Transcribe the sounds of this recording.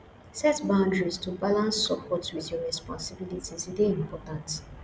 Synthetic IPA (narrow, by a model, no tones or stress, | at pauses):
sɛtbãʊ̃ndɹistubalãnsːɔpʰɔtwiðjɔɹɛspɔ̃nsibilitizideĩmpɔtãnt